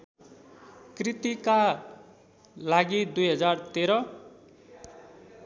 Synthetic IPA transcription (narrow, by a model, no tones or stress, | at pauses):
krit̪ika | laɡid̪ujɦʌd͡zart̪eɾʌ